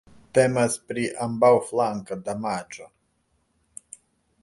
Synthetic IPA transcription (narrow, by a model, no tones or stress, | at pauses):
t̪ɛmaspɾiʔambawflˠaŋkad̪amat͡ʃo